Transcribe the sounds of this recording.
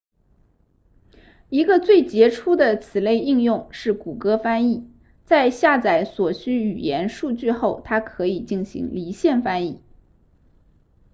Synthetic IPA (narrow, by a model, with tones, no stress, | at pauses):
i˧˥ɡə˧t͡swe˥˩ɪt͡ɕjɛ˧˥ʈ͡ʂʰu˥d̪ə˨t͡sʰɹ̩˨˩le˥˧ɪi˥˧ŋjʊ˥˧ŋʂɻ̩˥˩ku˨˩kɤ˥fa˥ni˥˩ | t͡sa˥˧ɪɕja˥˩t͡sa˧˥ɪswɔ˨˩ɕy˥y˨˩jɛ˧˥nʂu˥˧t͡ɕy˥˧xo˥˩ʊt̪ʰa˥kʰɤ˧˥i˨˩t͡ɕi˥˩nɕḭ˧˥ŋli˧˥ɕjɛ˥˩nfa˥ni˥˩